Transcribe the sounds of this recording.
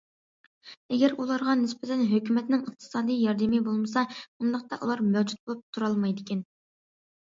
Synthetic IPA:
ɛɡʲɛɾulˠɑɾʁɑnɪspɪt̪ʰɛnɦøkʲymɛt̪nɪŋəq̚t̪ʰɨ̥sɑːd̪ijjɑɾd̪ɪmibolˠmɨsɑund̪əχqt̪ɑʔulˠɑɾmɛwd͡ʒut̪̚bolˠup̚t̪ʰuɾɑlˠmɑjd̪ɪkʲɛn

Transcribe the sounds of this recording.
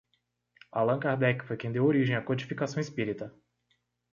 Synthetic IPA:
alɐ̃kaɾd̪ɛkfojkẽd̪ewoɾiʒẽj̃ɐkod͡ʒifikasɐ̃w̃ispiɾit̪ɐ

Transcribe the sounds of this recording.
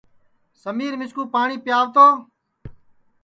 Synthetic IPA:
səmiːɾmɪskuːpaːɳiːpɪjaːʋt̪oː

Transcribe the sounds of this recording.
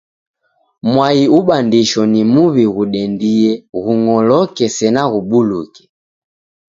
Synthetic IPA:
mwaiuɓandiʃɔnimuβiɣuɗɛndiɛɣuŋɔlɔkɛsɛnaɣuɓulukɛ̥

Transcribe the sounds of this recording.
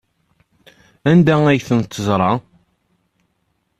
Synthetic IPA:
ænd̪ææjθənt̪ːəzˤɾˤɑ

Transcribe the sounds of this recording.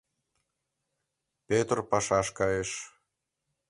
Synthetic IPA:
pet̪rpɑʃɑʃkɑjeʃ

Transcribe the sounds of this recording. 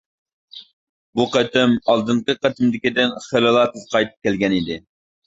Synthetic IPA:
buqɛt̪ɪmɑlˠd̪ɨɴqəqɛt̪ʰɪmd̪ɪkʲid̪ɪnχelɨlˠɑt̪ʰɨzqʰɑjt̪ʰɨ̥p̚kʲɛlɡʲɛnid̪ɪ

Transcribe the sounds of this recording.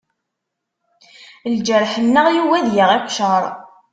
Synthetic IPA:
ld͡ʒəɾħənːəʁjuwæðjaʁɪqʷʃəɾˤ

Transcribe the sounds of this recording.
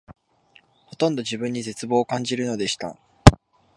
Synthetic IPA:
ho̞t̪õ̞nd̪o̞ʑibɯ̟̃ɲ̟ːize̞t͡sɨbo̞ːkãɲ̟d͡ʑiɾɯ̟no̞d̪e̞ɕi̥t̪a̰

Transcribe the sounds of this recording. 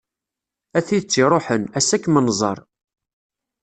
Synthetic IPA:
æθiðt͡sːiɾˤoħənæsækːmənːzˤɑ̰ɾˤ

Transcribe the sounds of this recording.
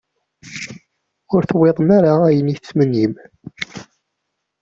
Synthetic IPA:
ʊɾθweðˤmaɾaæjənit͡sːmənːim

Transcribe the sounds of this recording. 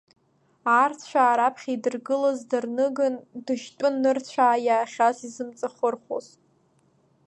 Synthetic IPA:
aːrt͡sʰt͡ɕʷʰᶣaːɾapʰχʲaidɨrɡɨlazdɨrnɨɡɨndɨʃtʷʼʊnːɨrt͡ɕʷʰaːjaːχʲazizɨmt͡sʼaχʊrχʷo̰z̥

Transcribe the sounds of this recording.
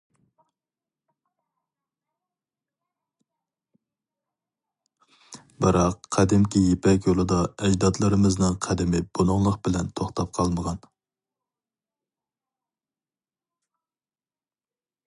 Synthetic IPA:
bɨɾɑqʰːɛd̪ɪmkʲʰijepʰɛkʲjolˠɨd̪ɑɛd͡ʒd̪ɑt̪lˠɨɾɨmɨznɨŋqʰæd̪ɪmɪb̥onʊŋlˠəqbɪlɛnt̪ʰoχt̪ʰɑp̚qʰɑlˠməʁɑn

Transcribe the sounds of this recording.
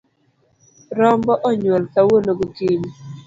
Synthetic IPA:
ɾɔmbɔʔɔɲwɛlkawonoɡokiɲi

